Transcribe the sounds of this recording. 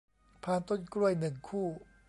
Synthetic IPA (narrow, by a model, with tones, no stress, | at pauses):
pʰaː˧nt̪o˥˨nkɾu˥˩əjnɯ˨˩ŋkʰuː˥˩